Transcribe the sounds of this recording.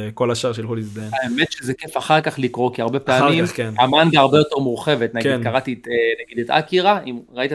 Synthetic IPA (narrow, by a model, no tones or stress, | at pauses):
kolaʃaʁʃeilχulizd̪enaemet̪ʃezekefaχaʁkaχlikʁo̞kiaʁbe̞peamimenamanɡaaʁbejo̞teʁmuʁχe̞vet̪naɡid̪kaʁat̪itnaɡid̪et̪a̰kiʁaʔimʁait̪a